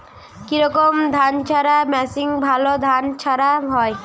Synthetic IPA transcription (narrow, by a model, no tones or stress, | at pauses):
kiɾɔkomd̪ʱant͡ɕʰaɾamɛsiŋbʱalod̪ʱant͡ɕʰaɾaɦɔe